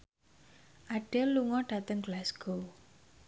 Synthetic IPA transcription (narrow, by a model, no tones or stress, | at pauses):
ʔaɖ̥ɛlːuŋɔɖ̥a̤t̪əŋɡ̥əlasɡ̥o